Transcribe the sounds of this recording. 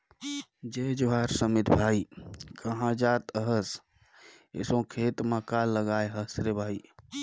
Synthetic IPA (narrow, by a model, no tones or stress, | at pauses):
d͡ʒed͡ʒoɦaɾsəmit̪bʱaikʰəɦãd͡ʒat̪əɦəs | ḛsõkʰet̪makalːəɡajɦəsɾebʱai